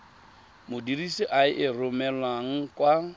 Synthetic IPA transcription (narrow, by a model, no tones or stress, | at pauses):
mʊdirisiʔaɪʔɪrʊmɛlwaŋ̩kʼwa